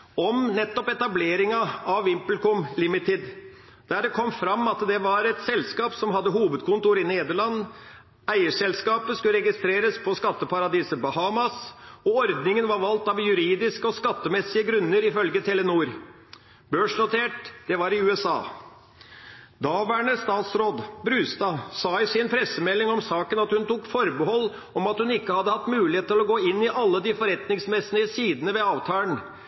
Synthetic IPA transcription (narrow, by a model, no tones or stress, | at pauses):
ɔmnɛt̪ːɔpɛt̪ɑbleːɾɪŋɑɑʋɪmplkʊmlɪmɪt̪ɪd̪ | d̪̥æːɖɛkʰɔmːfɾɑmːɑt̪d̪ɛʋɑɾɛt̪sɛlskɑːpsɔmɦɑd̪ːəɦuːʋəd̪̚kʰʊnt̪ʊɾɪneːd̪əɭɑnː | æɪəʂɛlskɑːpəskʉləɾɛɡɪst̪ɾeːɾəspʰɔskɑt̪ːəpʰɑɾɑd̪iːsəbɔhɑmɑsɔɔɾd̪nɪŋənʋɑɾʋɑlt̪ɑʋjʉɾiːd̪ɪskəɔskɑt̪ːəmɛsːɪəɡɾʉnːəɾɪfœlɡət̪ʰɛlənuːɾ | bøːʂnʊt̪ʰeːʈd̪̥ɛʋɑɾɪʉːɛsɑ̰ː | d̪ɑːʋæɳəst̪ɑːt̪sɾoːd̪bɾʉːst̪ɑːsɑːɪsɪnpʰɾɛsəmɛlːɪŋɔmsɑːkənɑt̪hʉnt̪uːkfɔɾbəhɔlː | ɔmɑt̪hʉnɪkːəhɑd̪ːəhɑt̪ːmʉːlɪheːt̪ɪlɔɡoːɪnːɪʔɑlːəd̪ɪfɔɾɛt̪nɪŋsmɛsnəəsiːd̪ənəʋɛɑːʋt̪ʰɑːlən